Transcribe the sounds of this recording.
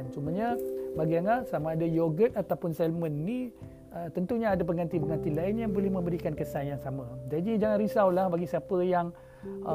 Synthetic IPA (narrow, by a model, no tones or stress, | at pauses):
nt͡ʃumaɲabaɡianasamaːdajoɡət̪at̪awpʊnsɛlmənːi | ət̪ənt̪uɲaːdap̬əŋɡant̪ipəŋɡant̪ilaɪnjaŋbolɛhmə̃mbəɾikankəsanjaŋsamad͡ʒadid͡ʒaŋanɾisawlahbaɡisiapəjaŋ